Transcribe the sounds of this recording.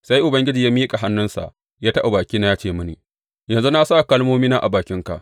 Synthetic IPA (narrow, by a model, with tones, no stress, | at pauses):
sa˦jʔʊ˨bɐ˦ŋɡʲɪ˦d͡ʒiː˨jaː˦miː˦kʼa˨ɦa˦nːʊ˦nsa̰˨ʔ | jaː˦tɐ˦ʔa˨baː˨kʲiː˦na˦jaː˦t͡ʃeː˦˨mʊ˦niː˨ | jɐ˨nzu˦na˦saː˦˨kɐ˦lmoː˦miː˦naː˦ʔa̰˨baː˨kʲɪ˦ŋka̰˨ʔ